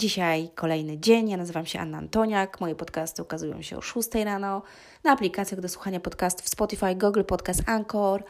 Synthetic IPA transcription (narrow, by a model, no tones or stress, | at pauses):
d͡ʑiɕajkʰɔlɛjnɘd͡ʑeɲjanazɘvamɕɛʔa̰nːaa̰nt̪ɔɲakmɔjɛpɔt̪kast̪ɘukazujɔ̰̃w̃ɕɛ̰ɔ̰ʂust̪ɛjɾanɔ | naːplʲikat̪sʲjaɣd̪ɔswuxaɲapɔt̪kast̪u̥fspɔt̪ifajɡuɡlpɔt̪kast̪aŋkɔɾ